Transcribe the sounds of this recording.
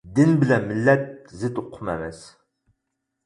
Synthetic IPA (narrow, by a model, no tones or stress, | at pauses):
d̪ɪnbɪlɛnmɪlːɛt̪̚zɨt̪ʊqʰːʊmɛ̰mɛs